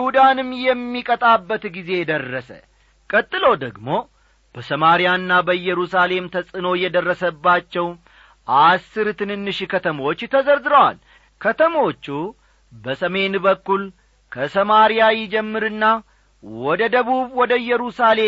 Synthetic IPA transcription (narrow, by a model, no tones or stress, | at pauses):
hud̪anɨmːjɛmːikʼət̪ʼabːət̪ɡize̞jd̪ərːəsə̰ | kʼət̪ʼːɨlo̞d̪əɡmo̞ | b̥əsəmaɾijanːabəjːɛɾusale̞mt̪ʰəsʼɨno̞jɛd̪ərːəsəbːat͡ʃːɛw | ʔasːɨɾt̪ʰɨnɨnːɨʃkʰət̪ʰəmot͡ʃːt̪ʰəzəɾzɨɾəwa̰l | kʰət̪ʰəmo̞t͡ʃːu | bəsəme̞nbəkːul | kʰəsəmaɾijajɪd͡ʒɛmːɨɾɨnːa | wɔd̪əd̪əβuβwɔd̪əjːɛɾusale̞